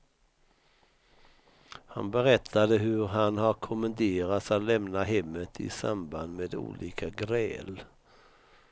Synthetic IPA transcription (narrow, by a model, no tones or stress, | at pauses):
ha̰nbəɾɛt̪ʰːad̪əɦɵɾɦanhaɾkʰʊmənd̪eːɾat̪sat̪lɛmnaɦɛmːət̪ʰɪ̰sa̰mband̪meːd̪ṵːlʔiːkʰaɡɾɛ̰ːl